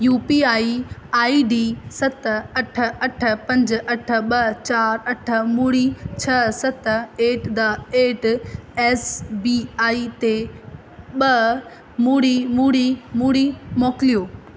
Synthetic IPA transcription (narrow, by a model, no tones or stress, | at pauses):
juːpiaːiaːiɖiːsɐt̪ɐʈʰə̆ɐʈʰə̆pɐ̃ɲd͡ʑ̆ɐʈʰə̆ɓɐt͡ɕaːɾɐʈʰə̆muːɽit͡ɕʰɐsɐt̪eːʈd̪ɐeːʈɛːsbiːaːit̪e | ɓɐ | muːɽimuːɽimuːɽimɔːkɪlijoː